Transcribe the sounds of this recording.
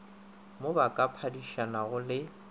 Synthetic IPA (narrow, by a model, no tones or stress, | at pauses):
mobakʼapʰadiʃanaɣʊlɪ